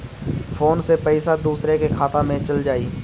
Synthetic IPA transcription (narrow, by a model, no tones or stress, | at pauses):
fʰoːnsepɛɪsad̪uːsɾekekʰaːt̪ãmẽt͡ʃɐld͡ʒaːiː